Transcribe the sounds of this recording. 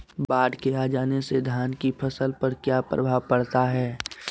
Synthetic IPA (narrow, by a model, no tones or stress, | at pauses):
baːɖkeaːd͡ʒaːnesed̪ʱaːnkipʰɐsəlpɐɾkjaːpɾɐ̰bʱaːʋpɐɽt̪aɦɛː